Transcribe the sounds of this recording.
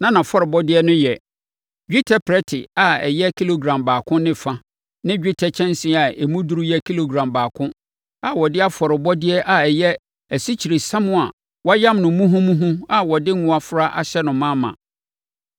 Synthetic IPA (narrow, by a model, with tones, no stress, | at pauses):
nã˦nã˨fɔ˦ɾɪ˨bɔ˦dɪ˦ɛ˦nʊ̃˦jɛ˨ | d͡ʑᶣi˦tʰa˨pʰɾɛ˦tʰɪ˨a˨ɛ̰˨jɛ˦kʰi˦lo˨ɡɾã˨mbaː˨kʰʊ̃˦nɪ̃˦fa˦ | nɪ̃˦d͡ʑᶣi˦tʰɛ˨t͡ɕʰɛ̃˦n˦sɪ̃˦a˨e˨mũ˦du˦ɾu˦jɛ˦kʰi˦lo˨ɡɾã˨mbaː˨kʰʊ̃˦ | a˨wɔ˨dɪ˦a˦fɔ˨ɾɪ˨bɔ˦dɪ˦ɛ˦ʔa˨ɛ˨jɛ˦ | æ˨si˦t͡ɕʰi˨ɾe˨sã˦mʊ̃˦a̰˨ | wɔ˦jã˦mnʊ̃˨mũ˦ɦũ˦mũ˦ɦũ˦a˨wɔ˨dɪ˦ŋʊ̃˦a˨fʊ˦ɾa˦ʔa̰˨ɕɛ˦nʊ̃˨mːã˦mã̰˨